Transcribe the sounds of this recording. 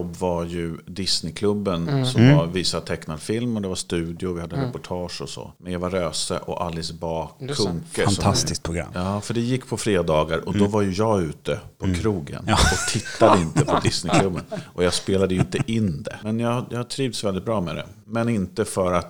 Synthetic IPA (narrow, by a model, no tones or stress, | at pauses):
ɔbːvaɾjɵd̪ɪsnɪkʰlɵbːənsɔmvaɾviːsat̪ʰɛkːnad̪fɪlmɔd̪ɛvaʂst̪ʉ̟ːd̪ɪʊvɪhad̪ːəɾɛpʊʈʰɑːʂɔsɔ̰ːmɛnjavaɾøːsə̰ʔɔ̰ʔalːɪsbɑːkʰɵŋkət̪ʰast̪ɪsk̪t̪̚pʰɾʊɡɾa̰mːjɑːfœɖɛjɪkːpʰɔfɾeːd̪ɑːɡaɾɔd̪ɔvaɾjɵjɑːɡʉ̟ːt̪əpʰɔkʰɾuːɡə̰nɔt̪ʰɪt̪ːad̪əɪnt̪əpʰɔd̪ɪsnɪkʰlɵbːənʔɔjɑːɡspeːlad̪əjɵɪnt̪əʔɪnːd̪ɛ̰mɛnjɑːjɑhaʈ̪ʰɾiːvd̪svɛld̪ɪt̪̚bɾɑːmɛ̰ːd̪ɛ̰ | mɛnɪnt̪əfœɾat̪